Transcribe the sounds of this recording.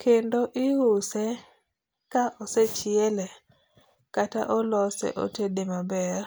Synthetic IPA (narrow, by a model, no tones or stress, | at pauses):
kʰendoʔɪhʊsɛ | kaʔɔset͡ʃɪɛlɛ | kata̰ʔɔlɔsɛ̰ʔo̰tedemabɛr